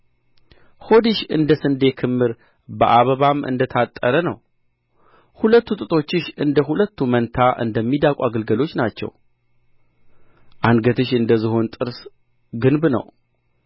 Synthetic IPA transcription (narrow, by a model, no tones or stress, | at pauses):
ho̞d̪iʃɨ̰nd̪əsɨnd̪e̞kʰɨmːɨɾ | bə̰ʔaβəβamʔɨ̰nd̪ət̪ʰat̪ʼːəɾənə̰w | hulət̪ːut̪ʼɨt̪ʰʼo̞t͡ʃːɪʃɨnd̪əɦulət̪ːumənt̪ʰaʔɨ̰nd̪əmːid̪akʼaɡəlɡəlo̞t͡ʃːnat͡ʃːɛ̰w | ʔanɡət̪ʰɨʃɨnd̪əzɨɦo̞nt̪ʼɨɾs | ɡɨnbnə̰w